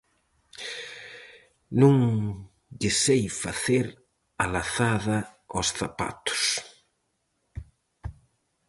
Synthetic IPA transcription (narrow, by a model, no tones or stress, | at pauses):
nũŋ | dɪsejfaθeɾ | alaθaðɐosθapa̰t̪ʊ̥s